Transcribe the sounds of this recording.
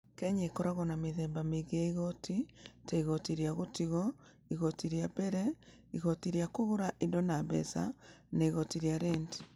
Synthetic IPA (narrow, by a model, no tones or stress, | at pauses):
kɛɲekɔɾaɣɔnameðɛːmbameɣeaiɣɔtʰitaiɣɔtiɾjaɣotiɣɔ | iɣɔtiɾijabɛɾɛ | iɣɔtiɾiakoɣoɾaʔindɔnabɛ̰sa̰naiɣɔtiɾijaɾɛnti̥